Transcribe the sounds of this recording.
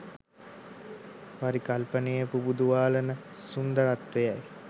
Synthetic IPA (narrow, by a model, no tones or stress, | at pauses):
ʋaɾikalpənejəpubud̪uʋaːlənəsund̪əɾat̪ʋejaj